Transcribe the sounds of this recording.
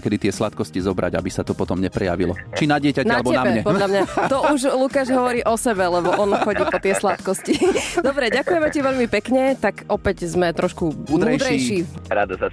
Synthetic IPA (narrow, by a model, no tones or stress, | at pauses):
kɛd̪it̪ɪɛslat̪kɔscizɔbɾa̰ɟa̰bisat̪ɔpɔt̪ɔmɲɛpɾɛja̰ʋilɔ̰t͡ʃinaɟɪɛcanaɛbɔɛamɲɛpɔlʎamɲat̪ɔuʒlukaːʒɦɔʋɔɾiːʔɔsɛbɛlɛbɔɔnxɔɟiːpɔt̪ɪɛslat̪kɔscid̪ɔbɾɛɟakujɛmɛciʋɛʎmipɛkɲɛt̪akʔɔpɛɟzmɛt̪ɾɔʃkumd̪uːd̪ɾɛjʃiːɾad̪asa